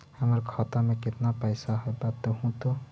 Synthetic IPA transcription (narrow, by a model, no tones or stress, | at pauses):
həməɾkʰɔt̪amẽkɪt̪napəjsaɦɔbat̪ːɔɦũt̪o